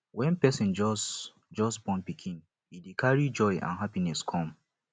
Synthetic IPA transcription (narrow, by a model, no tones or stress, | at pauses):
wɛ̃npɛsĩnd͡ʒ | d͡ʒɔsbɔ̃npikʰĩn | hidekʰaɹid͡ʒɔɪʔã̰nɦapinɛskʰɔ̃m